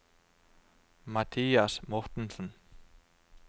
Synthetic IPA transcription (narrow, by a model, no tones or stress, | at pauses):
mat̪ʰijasmɔht̪ɪnsɔn